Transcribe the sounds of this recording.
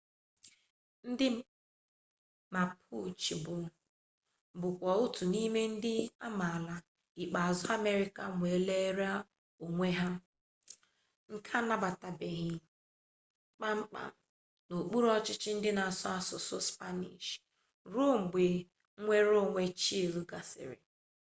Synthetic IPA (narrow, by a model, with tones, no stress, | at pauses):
n̩˦dɪ˦ | ma˨pʰu˦t͡ʃi˨bʊ˨ | bʊ˨kʷɔ˨ʊ˦tu˨ni˦me˦n̩˦dɪ˦a̰˦ma˨la˨ | ɪ˨k͡pa˨zʊ˦a˦me˦ɾɪ˦ka˨ŋʷe˨˦le˦ɾa˦ | o˨ŋʷe˦ɦa˦ | ŋ̩˨kʰa˦na˦ba˨ta˨be˨ɣɪ˨˦ | k͡pa˦ŋ͡m̩˦k͡pa̰˨ | no˨k͡pu˦ɾɔ˦t͡ʃɪ˦t͡ʃɪ˦n̩˦dɪ˦na˨a˨sɔ˦a˨sʊ˨sʊ˦spa˦nḭ˨ʃ | ɾo˦ŋ͡m̩˨ɡ͡be˨˦ | ŋʷe˦ɾo˦˨ŋʷe˦t͡ʃi˦e˨lu˦ɡa˨sɪ̰˨ɾɪ̰˨